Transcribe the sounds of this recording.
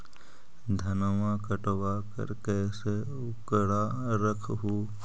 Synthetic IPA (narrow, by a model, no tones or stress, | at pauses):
d̪ʱɐnəʋakəʈʋakə̰ɾkɛːse | ʊkəɽaː | ɾəkʰɦuː